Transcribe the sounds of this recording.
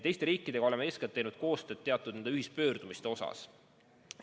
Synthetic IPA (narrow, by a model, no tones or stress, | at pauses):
t̪ejst̪e̞ɾiːkːˑid̪̥e̞ɡɑo̞le̞meesket̪ːejnud̪̥̚ko̞ːst̪ø̞ːd̪̥̚t̪e̞ɑt̪ːˑud̪nenyhist̪̚pø̞ːɾd̪̥umist̪e̞o̞sɑ̰s